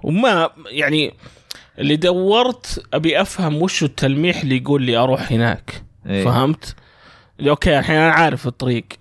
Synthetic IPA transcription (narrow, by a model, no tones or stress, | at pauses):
wmajaʕni | ʔɪlːid̪awːɑɾˤt̪ʔabiʔafhamwʊʃɪt̪ʰːalmiːħɪlːijɡuːlːiːʔɑɾˤuːħhɪna̰ːkfahamt̪ | liʔoːkeːʔaħjaːnanaʕaːɾɪfɨt̪ˤːɑɾiːɡ